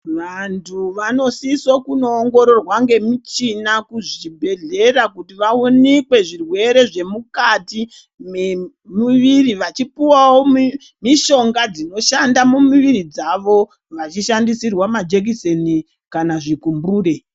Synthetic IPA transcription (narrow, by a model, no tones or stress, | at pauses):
ʋantʰuʋano̞sisokuno̞ːŋɡo̞ɾo̞rwaŋɡe̞mit͡ʃinakuʐibʱe̞ɮe̞rakutiʋaunikwe̞ʐirwe̞ɾe̞ʐe̞mukati | me | miʋiriʋat͡ʃipiwawomi | miʃo̞ŋɡad͡zino̞ʃandamumiʋiɾid͡zaʋo̞ | ʋat͡ʃiʃandisirwamad͡ʒek̬iseni | kanaʐikumbuːre̞